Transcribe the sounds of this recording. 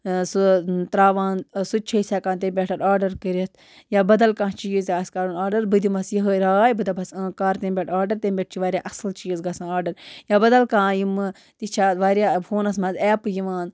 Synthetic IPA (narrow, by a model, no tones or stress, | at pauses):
sut̪ɾaːʋaːnsut͡ʃʰɐisʲaːkaːnt̪embʲeʈʰɐʈaːɾɖɐɾkəɾɐt̪ʰ | jaːbɐd̪ɐlkãːt͡ʃiːzɡaːskaɾunaːɾɖɐɾbɨd̪imɐsjiɦəɾaːjbɨd̪ɐbɐskaːɾt̪ẽːmbʲeʈʰaːɖɐɾt̪embʲeʈ̚t͡ʃʰiʋaːɾʲjaːʔɐslt͡ʃiːzɡasãːaːɖɐɾjaːbɐd̪ɐlkãːjimɨ | t̪it͡ʃʰaːʋaːɾʲjaːfʰoːnɐsmɐzɛːpɨjiʋaːn